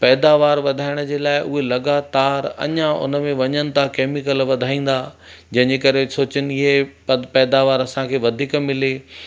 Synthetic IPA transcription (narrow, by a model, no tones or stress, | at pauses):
pɛːd̪aːʋaːɾʋɐd̪ʱaːɪɽ̃əd͡ʑeːlaːɪʔʊɦelɐɡaːt̪aːɾɐ̰ɲãʊ̰nə̆mẽʋɐɲənɪ̆t̪ʰãkeːmɪkəlʋɐd̪ʱaːĩːn̆d̪aː | d͡ʑɐ̃ɦɪ̃ɲd͡ʑekɐɾesoːt͡ɕɪnɪɪɦepɛːd̪aːʋaːɾɐsãkʰeːʋɐd̪ʱiːkmɪleː